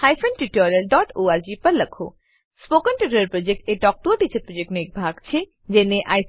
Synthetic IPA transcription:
hajfʰənʈiʈɔɾijɐlɖɔʈoːaɾd͡ʑipɐɾlɐkʰo̰ | spokənʈiʈəɾəɾpɾod͡ʒek̚ʈeʈɔk̚ʈuʈit͡ʃʰəpɾod͡ʒek̚ʈnek̚bʱaɡt͡ʃʰe | d͡ʑeneʔa̰j

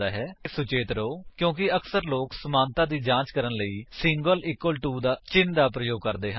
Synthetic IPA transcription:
aːɦɛːsʊt͡ʃeːt̪ɾoːkjõːkɪəksəɾloːksəmaːnt̪ãːd̪iːd͡ʒãːt͡ʃkəɾənləiːsɪ̃ŋɡəlɪkːəlʈuːd̪aːt͡ʃɪnd̪aːpɾəjoːɡ̚kəɾd̪eːɦə

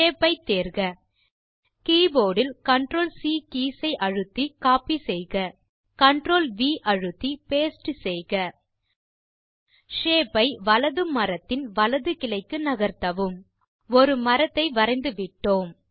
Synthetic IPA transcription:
eːpɐɪt̪ːeːɾɣɐ | kiːboːɽɪlkɐɳʈɾoːlsiːkiːsɐɪʔɐɻɯt̪ːikaːpisɛjɣɐ | kɐɳɖɾoːlʋiːʔɐɻɯt̪ːipeːsʈɯsɛjɣɐ | ʂeːpːɐɪʋɐlɐðɯmɐɾɐt̪ːɪnʋɐlɐðɯkɪlɐɪkːɯnɐɣɐɾt̪ɐʋɯm | ɔɾɯmɐɾɐt̪ːɐɪʋɐɾɐɪnd̪ɯʋɪʈːoːm

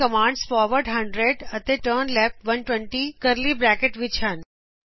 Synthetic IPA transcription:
kɐmãːɳɖsfɔːɾʋəɾɖɦɐ̃ɳɖɾeɖɐt̪eʈəːnlɛːp̚ʈʋɐnʈwɛ̃ɳʈikəɾlibɾæːkeʈʋit͡ʃʰan

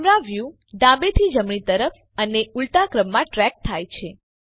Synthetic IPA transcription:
mɾãʋju | ɖãbet̪ʰid͡ʒəmɳit̪əɾəf | əneult̪akɾəmːãʈɾɛk̚t̪ʰajt͡ʃʰe

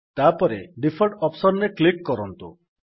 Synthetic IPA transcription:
t̪apɔɾeɖipʰɔɾʈɔpsɔɾneklikːɔɾɔnt̪u

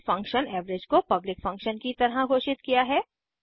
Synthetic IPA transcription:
fɐ̃ŋkʃənɛːʋɾed͡ʒkopɐblɪkfɐ̃ŋkʃənkit̪ɐɾɦãɡʱoːʃɪt̪kijaɦɛː

